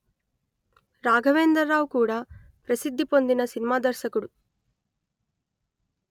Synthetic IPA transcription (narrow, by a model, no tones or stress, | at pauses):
ɾaːɡʱɐʋeːnd̪ɐɾːaːʋukuːɽɐ | pɾɐsid̪ʱːipo̞nd̪inɐsinimaːd̪ɐɾʃɐkɐɽu